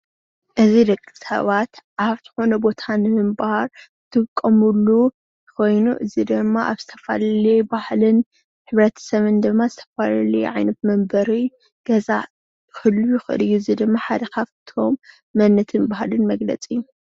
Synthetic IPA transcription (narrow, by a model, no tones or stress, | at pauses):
ʔɨziɾɐkʼːisɐ̰βat̪ʔaβt̪ʰɨ̥xo̞nɐbo̞t̪ʰanɨmɨmbhaɾ | t̪ʰɨkʼːɐmulːu | jko̞jnṵʔɨzid̪ɨmːaʔaβzɨt̪ʰɐ̥fa̰llibahlɨn | ħɨβɾɐt̪ʰɐ̥sɐβɨnd̪ɨmːazɨt̪ʰɐ̥falɐliʕajnɐt̪̚mɐmbɐɾi | ɡ̥ɐza̰ | jɪxɨlːujɪxɨʔɨ̰lɨjːuzid̪ɨmːaħad̪ɐkʰaβt̪ʰo̞mː | ɐnːɐt̪ʰɨnbahlɨnmɐɡlɐ̰t͡sʼijːu